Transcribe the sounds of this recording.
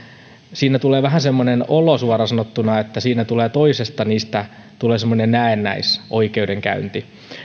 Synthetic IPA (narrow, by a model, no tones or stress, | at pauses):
siːnæt̪uleːʋæɦæsemːonenolosuɑrɑsɑnot̪ːunɑet̪ːæsiːnæt̪uleːt̪oisest̪ɑniːst̪æ | t̪uleːsemːonennæenːæ̰isʔoikeudeŋkæ̰ynt̪i